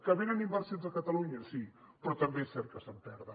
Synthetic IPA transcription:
kəβenənimbəɾsonzðəkət̪əluɲəsi | pɾɔt̪əmbeesɛɾt̪̚kəsəmpɛɾðə

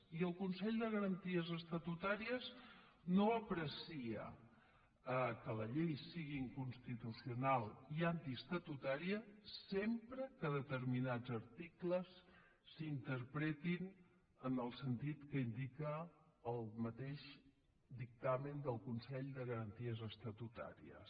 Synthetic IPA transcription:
iəlˠkunsɛʎd̪əɣəɾənt̪iəzəst̪ət̪ut̪aɾiəz | noəpɾəsiə̰ | əkələʎejsiɣiŋkunst̪it̪usiunalˠiant̪iəst̪ət̪ut̪aɾiəsempɾəkəðət̪əɾminad͡zəɾt̪ikləsː | int̪əɾpɾet̪in | ənəlˠsənt̪it̪kəind̪ikəːlˠmət̪eʃ | d̪ik̚t̪amənd̪əlˠkunsɛʎd̪əɣəɾənt̪iəzəst̪ət̪ut̪a̰ɾḭə̰s

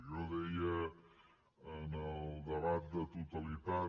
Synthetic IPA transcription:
ʒɔðeiə | ənəlˠd̪əβat̪̚d̪ət̪ut̪əlit̪a

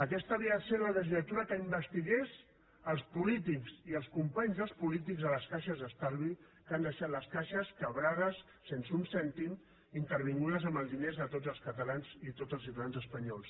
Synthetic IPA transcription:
əkɛst̪əβiəðselələʒinət̪uɾəkəimbəst̪iɣes | əlˠspulit̪ikziəlˠskumpaɲzðəlˠspulit̪̬iɡzðələskaʃəzðəst̪aɾβi | kand̪əʃat̪ləskaʃəskəβɾaɣəsːensunsɛnt̪im | int̪əɾβiŋɡuðəzəmbəlˠd̪inezðət̪od͡zzəlˠskət̪əlanzit̪ozəlˠs̬iɾanzəspəɲɔlˠs

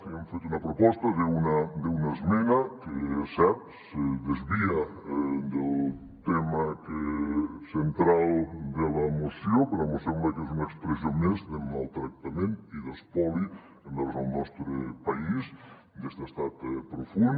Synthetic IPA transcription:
kiemfet̪unɐpɾopɔst̪ɐðeunad̪eunaezmenakesɛp̚ | seðezβiad̪elˠ | t̪emakesent̪ɾalˠd̪elamoθjopeɾemosembakezunaekspɾezjomezd̪emalˠt̪ɾak̚t̪ament̪iðespɔli | end̪aɾzalˠnɔst̪ɾepaiz | d̪ezt̪est̪at̪pɾofun

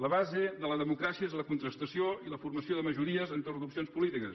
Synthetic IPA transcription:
ləβazeðələðəmukɾasiəezləkunt̪ɾəst̪əsioiləfuɾməsioðəməʒuɾiəzənt̪orðupsionspulit̪ikəs

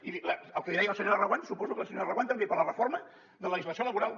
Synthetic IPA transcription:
iləəlˠkəðiɾɛjəlˠsəɲoɾərəɣwansupɔzukəlˠsəɲoɾrəwant̪əmbepəɾlərəfoɾmə | ðələʒizləsioləβuɾalˠ

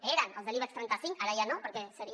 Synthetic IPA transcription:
eɾanəlˠzðeliβast̪ɾɛnt̪asiŋkaɾajanopəɾkesəɾi

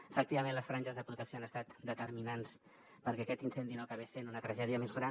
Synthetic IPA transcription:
əfək̚t̪iβəmẽnləsfɾaɲʲʒəzðəpɾut̪əksioanəst̪at̪d̪ət̪əɾminans | pəɾkɛəkɛt̪insɛnd̪inoakaβesenunət̪ɾəʒɛðiəmezɣɾa

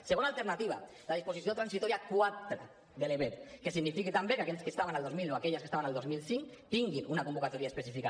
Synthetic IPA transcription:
seɣonalˠt̪eɾnat̪iβ̞a̰ | laðisposisiot̪ɾansit̪ɔɾiakwat̪ɾa | ðeleβetkesiɡnifikit̪ambekakɛʎskest̪aβanalˠd̪ozmilnoakɛʎaskest̪aβanalˠd̪ozmilˠsiŋkt̪iŋɡinunakumbukat̪oɾiaespesifika

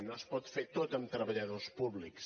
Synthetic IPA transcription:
nospɔt̪fet̪ot̪əmt̪ɾəβəʎəðospuβliks

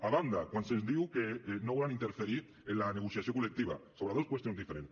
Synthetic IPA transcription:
aβand̪akwansezd̪iwkenoolanint̪eɾfeɾiɾ | elaneɣ̞usjasjokolek̚t̪iβa̰soβɾaðokwest̪jonzðifeɾent̪

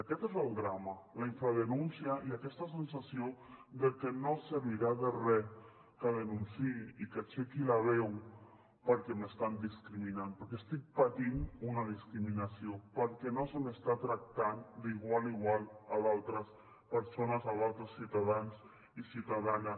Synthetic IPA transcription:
akɛt̪ezəlˠd̪ɾamalaiɱfɾaðenunsiaʔiakɛst̪as̬ensasiod̪əkənosəɾβiɾaðərɛ | kəðənunsiiikat͡ʃekilaβɛw | pəɾkɛməst̪and̪iskɾiminanpəɾkest̪ik̚pat̪inunaðiskɾiminasiopəɾkɛnosəmest̪at̪ɾak̚t̪and̪iɣwaliɣwalˠaðalˠt̪ɾəs | pəɾsonazaðalˠt̪ɾəsːiwt̪aðans | isiwt̪aðana

